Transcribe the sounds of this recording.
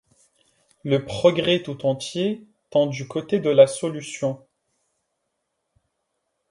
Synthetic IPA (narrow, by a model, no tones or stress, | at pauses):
ləpχɔɡʁɛt̪ut̪ɑ̃t̪je | t̪ɑ̃d̪ykot̪ed̪əlasɔlysjɔ̃